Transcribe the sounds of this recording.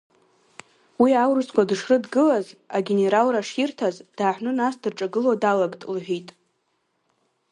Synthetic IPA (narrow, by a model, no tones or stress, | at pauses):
wiawrɨskʷadɨʂrɨdɡɨlazaɡʲene̞ɾalraʂirtʰazd̥aːħʷnɨnasdɨrʈ͡ʂʼaɡɨladalaɡʼtʼlħʷᶣitʼ